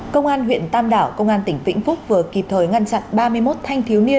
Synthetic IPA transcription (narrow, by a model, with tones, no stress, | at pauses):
kə˧wŋ͡mʔaː˧nɦw̰ənt̪aː˧mɗaː˧˩wkə˧wŋ͡mʔaː˧nt̪ï˧˩ŋ̟vḭ˧˥ŋ̟fʊ˦˥k͡p̚vɨ˨˩əki˨˩p̚t̪ʰəː˨˩jŋa˧nt͡ɕa̰˧˨nɓaː˧mɨ˧əjmo˦˥t̚t̪ʰa˧jŋ̟t̪ʰi˨˦wmi˧ən